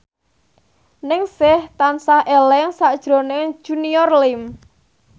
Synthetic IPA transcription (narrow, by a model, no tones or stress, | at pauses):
nɪŋsɪht̪ansahʔelɛŋsad̥ʒ̥ɾo̤nɪŋ̥ʒ̥uniɔrlɪm